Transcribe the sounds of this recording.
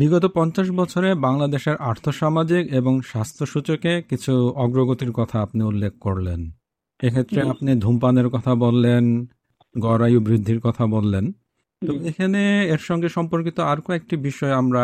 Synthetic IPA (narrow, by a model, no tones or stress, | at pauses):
biɡɔt̪opɔnt͡ɕaʃ̬bɔt͡ɕʰoɾebaŋlad̪eʃeɾʔaɾt̪ʰoʃamad͡ʑikeboŋʃast̪ʰoʃut͡ɕokekit͡ɕʰuɔɡɾoɡot̪iɾkɔt̪ʰaapniulːek̚ʰkoɾlen | ekʰet̪ːɾeapnid̪ʱumpaneɾkɔt̪ʰabolːen | ɡɔɾajubɾid̪ʱːiɾkɔt̪ʰabolːen | t̪ɔbekʰaneeɾʃɔŋɡeʃɔmpoɾkit̪oaɾkoek̚ʈibiʃɔeamɾa